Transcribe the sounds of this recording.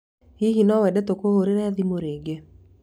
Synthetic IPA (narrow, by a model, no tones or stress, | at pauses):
hiɦinɔwɛdɛt̪okohoɾeɾɛðimoɾeɡe